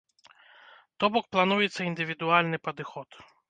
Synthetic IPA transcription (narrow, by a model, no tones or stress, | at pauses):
t̪ɔbɔk̚plˠanujɛt̪sːɐind̪ɨvʲid̪ʊalʲnɨpɐd̪ɨxɔt̪